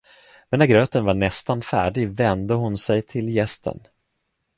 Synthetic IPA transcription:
mɛnːæɾɡɾøːt̪ənvaɳɛst̪anfæ̰ːɖɪɡvɛnd̪əɦʊnsɛjt̪ʰɪljɛst̪ʰə̰n

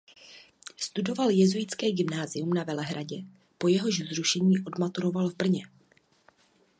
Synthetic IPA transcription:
st̪udo̞valjɛzujɪt͡skɛːɡɪmnaːzɪumnavɛlɛɦɾaɟɛ | po̞jɛɦo̞ʃzɾuʃɛɲiːʔo̞dmat̪uɾo̞valvbr̩ɲɛ

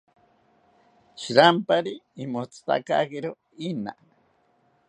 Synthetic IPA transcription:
ʃiɾampaɾiːmot͡sʰɨ̥t̪a̰ka̰keɾo | ina̰

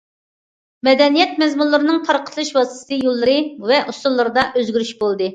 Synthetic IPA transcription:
mɛd̪ɛnijɛt̪̚mɛzmulˠːɨɾɨnɨŋt̪ʰɑɾqʰə̥t̪ʰlˠɨʃwɑst̪t̪ɨjolˠːɨɾɨvɛʔusulˠːɨɾɨd̪ɑʔøzɡʲyɾyʃbolˠd̪ɨ

